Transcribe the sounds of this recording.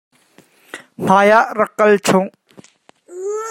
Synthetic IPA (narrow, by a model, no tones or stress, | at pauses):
m̥aːjaʔrɐkːɐlt͡sʰʊŋ